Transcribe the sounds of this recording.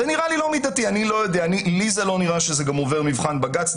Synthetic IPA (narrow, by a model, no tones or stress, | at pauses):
eniʁalilo̞mid̪atianilo̞jod̪eanilizelo̞niʁaʃeze̞ɡamove̞ʁmivχanbaɡat͡s